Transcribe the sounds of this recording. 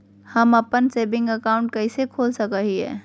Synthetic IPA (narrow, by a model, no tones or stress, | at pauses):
hɐmɐpənseːbɪ̃ŋɡəkaːʊ̃ɳʈ̚kɐɪsekʰoːlsɐkaɦiɦɛ̰ː